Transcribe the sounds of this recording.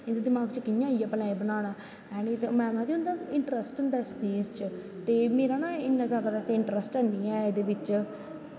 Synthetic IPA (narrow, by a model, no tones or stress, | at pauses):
ɪnd̪ed̪ɪmaːɡt͡ʃəkɪjãːijaːpəlaːibənaːɽaː | ɛːnit̪mɛ̃ːmãːd̪iʊ̃nd̪aːɪɳʈɾəsʈʊnd̪aːst͡ʃiːzt͡ʃ | t̪eːmeːɾaːnaːɪnːãːzaːd̪aːpɛːseɪɳʈɾəsʈɛnːiːɛ̃ːed̪eːʋɪt͡ʃ